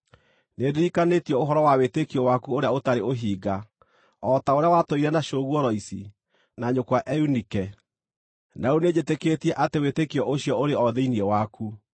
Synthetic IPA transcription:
nedeɾikanetiɔoɦɔɾɔwawetekiɔwakuoɾeaotaɾeoɦiːɡa | ɔtaoɾeawatoiɾɛnaʃoːɣwɔɾɔisi | naɲokwaʔɛunikɛ | nauned͡ʑeteketiɛʔatewetekiɔʔoɕjɔoɾeɔðeiniɛwaku

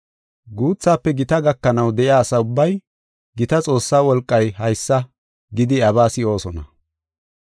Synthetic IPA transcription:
ɡuːt͡sːaːpːɛɡɪt̪ɐɡɐkːɐnɐwd̪ɛʔɪaːsɐʊbːɐj | ɡɪt̪ɐt͡sʼo̞ːsːaːwɔlkʼːɐjhɐjsːɐ | ɡɪd̪ɪɐβaːsɪo̞ːsɔnɐ̰

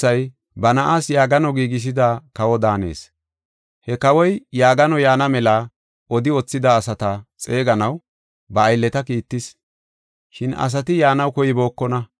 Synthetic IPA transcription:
ɐj | bɐnɐʔaːsjaːɡɐnɔɡiːɡɪs̬ɪd̪aːkɐwɔd̪aːne̞̰ːs | hɛkɐwɔjjaːɡɐnɔjaːnɐmɛla | ʔɔd̪ɪɔt͡sːɪd̪aːsɐt̪ɐt͡sʼe̞ːɡɐnɐw | bɐːjlːɛt̪ɐkiːt̪ːɪs | ʃɪnɐ̰s̬ɐt̪ɪjaːnɐwkɔjɪbo̞ːkːɔnɐ

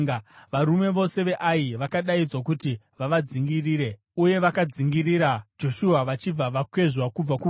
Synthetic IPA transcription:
ʋaɾume̞ʋo̞se̞ʋe̞ʔaiʋakaɗaid͡zwok̬uti | ʋaʋad͡ziŋɡiriːɾe̞ | uje̞ʋakad͡ziŋɡiriɾad͡ʒo̞ʃuaʋat͡ʃib͡vaʋakwe̞ʐwakub͡vaku

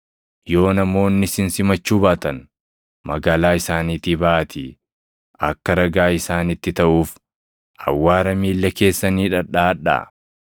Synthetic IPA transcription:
jo̞ːnɐmo̞ːnːɪsɪnsɪmɐt͡ʃːuːbaːt̪ɐn | mɐ̰ɡaːlaːɪsaːniːt̪iːbaʔɐt̪ʰi | ʔɐ̰kːɐɾɐɡaːɪsaːnɪt̪ːɪt̪ɐʔuːf | ʔɐ̰wːaːɾɐmiːlːɐke̞ːsːɐniːᶑɐᶑaːᶑa̰ː

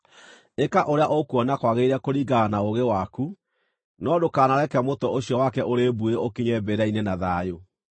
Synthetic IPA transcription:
ekaʔoɾeaʔokuɔnakwaɣeiɾɛkoɾiɡanaoɣewaku | nɔdokaːnaɾɛkɛmotɔʔoɕjɔwakɛʔoɾebueokiɲɛbeɾainenaðaːjo

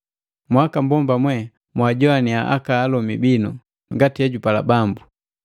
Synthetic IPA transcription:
mwakambɔmbamwɛ | mwaɟɔaniaʔa̰kaːlɔmibinu | ŋɡatiɛɟupala̰bambu

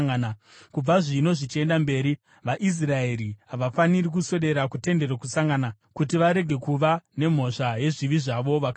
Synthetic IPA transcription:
nakub͡vaʐino̞ʐit͡ʃie̞ndambe̞ːɾi | ʋaʔis̬rae̞ɾiɦaʋafanirik̬use̞ɗe̞ɾakute̞nde̞ɾakusaŋɡana | kutiʋaɾe̞ɡʱe̞kuʋane̞m̤o̞ʂaje̞ʐiʋiʐaʋo̞ʋakː

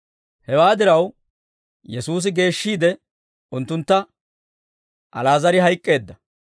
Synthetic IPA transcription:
hɛwaːd̪ɪɾɐw | jɛsuːs̬ɪɡe̞ːʃːiːd̪ɛ | ʊnt̪ːʊnt̪ːɐ | ʔɐlaːzɐɾɪɦɐjkʼːe̞ːd̪ːɐ

